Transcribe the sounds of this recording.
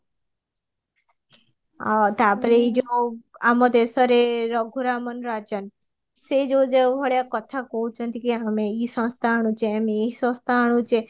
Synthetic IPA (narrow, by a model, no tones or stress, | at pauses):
at̪apəɾeid͡ʒoamɔd̪esɔɾeɾɔɡʱuɾamənɾat͡ʃən | sed͡ʒod͡ʒebʱɔɭjakɔt̪ʰakɔɦũt͡ʃʰɔnt̪ikiameisɔ̃st̪ʰaɽ̃ũt͡ʃʰeameisɔ̃st̪ʰaɽ̃ũt͡ʃʰe